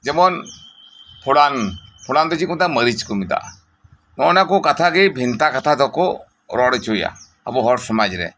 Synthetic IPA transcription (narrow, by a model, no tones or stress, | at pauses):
d͡ʒɛmɔn | pʰɔɽanpʰɔɽand̪ɔt͡ʃikunt̪aməɾit͡ʃkɔmid̪a̰ʔ | nɔnakɔkat̪ʰaɡɛbʱint̪akat̪ʰad̪ɔkɔ | ɾɔɽɛt͡ʃoja̰ | ə̰buɦɔɾsɔmad͡ʒɾɛ̰